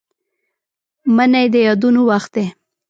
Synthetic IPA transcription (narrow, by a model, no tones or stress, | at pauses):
mənajd̪əjɑd̪unowaxt̪̚d̪e